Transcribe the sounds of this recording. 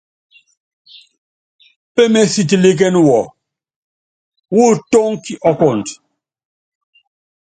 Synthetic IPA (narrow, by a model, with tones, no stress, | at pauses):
pɛ˦mɛ˦si˨t̬i˨li˦k̬ɛ˦nwɔ˨ | wu˦tɔ˦ŋki˨ʔɔ˦kɔ˨nt